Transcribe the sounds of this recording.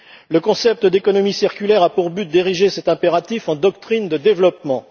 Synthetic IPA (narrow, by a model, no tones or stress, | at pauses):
ləkɔ̃sɛp̚t̪əd̪ekɔnɔmisiʁkʲylɛʁapuʁbyt̪̚d̪eʁiʒesɛt̪ɛ̃peʁat̪ifɑ̃d̪ɔkt̪χind̪əd̪evlɔpmɑ̃